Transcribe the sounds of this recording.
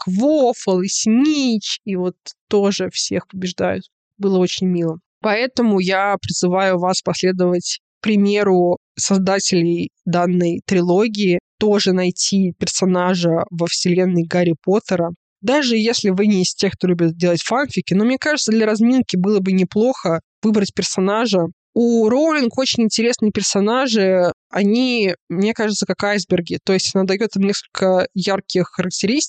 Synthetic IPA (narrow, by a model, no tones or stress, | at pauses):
kvofəlˠisʲnʲit͡ɕivo̞t̪ːoʐɨfsʲexpəbʲɪʐd̪ajʊ̰t̪ | bɨlˠəo̞t͡ɕɪnʲmʲilˠə | pɐɛt̪əmʊjapɾʲɪzɨvajʊvaspɐsʲlʲe̞d̪əvətʲ | pɾʲɪmʲe̞ɾʊ | sɐzd̪atʲɪlʲɪjd̪anːəjt̪ɾʲɪlˠo̞ɡʲɪːɪt̪o̞ʐɨnɐjtʲʰipʲɪrsɐnaʐəvəfsʲɪlʲe̞nːəjɡaɾʲɪpo̞t̪əɾə | d̪aʐɨjesʲlʲɪvɨnʲɪsʲtʲe̞k̚t̪olʲubʲɪt̪̚dʲe̞lˠətʲfanfʲɪkʲɪno̞mnʲekaʐɨt̪səd̪lʲəɾɐzmʲinkʲɪbɨlˠəbɨnʲɪplˠo̞xə | vɨbɾətʲpʲɪrsɐnaʐə | uɾolʲɪnɡo̞t͡ɕɪnʲɪnʲtʲɪɾʲe̞snɨjəpʲɪrsɐnaʐɨɐnʲimnʲekaʐɨt̪səkakajzbʲɪrɡʲɪt̪o̞jɪsʲtʲɐnad̪ɐjo̞t̪ɨmnʲe̞skə̥lʲkəjarkʲɪxːəɾək̚tʲɪɾʲist̪